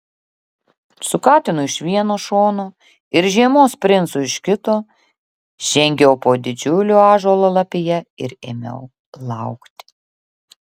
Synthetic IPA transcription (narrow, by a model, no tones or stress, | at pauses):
sʊkɑːt̪ʲɪnʊɪʃʋʲiɛnoːʃoːnoː | ɪɾʒʲiɛmoːspʲɾʲɪnt̪sʊɪʃkʲɪt̪oː | ʒʲɛŋʲɡʲɛʊpoːd̪ʲɪd͡ʒʲʊlʲuːɑːʒoːlˠoːlˠɐpʲɪjɛɪɾḛːmʲɛ̰ʊ | lˠɑˑʊkt̪ʲɪ